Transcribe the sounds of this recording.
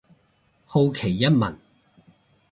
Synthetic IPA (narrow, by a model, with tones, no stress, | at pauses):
ho˧wkʰe˨˩jːɐ˥t̚mɐ˨˩n